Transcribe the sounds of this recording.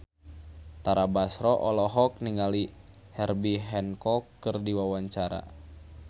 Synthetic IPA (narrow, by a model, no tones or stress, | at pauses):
t̪aɾabasɾɔʔɔlɔɦɔk̚niŋali | hɛrbiɦɛnkɔkːɨrdiwawaɲt͡ʃaɾa̰